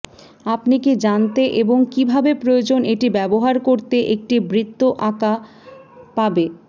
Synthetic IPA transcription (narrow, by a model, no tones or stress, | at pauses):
apniked͡ʑant̪eʔeboŋkibʱabepɾojod͡ʑoneʈibɛboɦaɾkoɾt̪eʔek̚ʈibɾit̪ːoʔaka | pabe